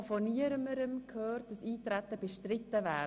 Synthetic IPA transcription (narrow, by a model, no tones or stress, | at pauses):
fɔniəɾəməɾəmkʰhøːɾt̚d̥ɑsiːtɾɛtəb̥eʃtɾɪtːəvæː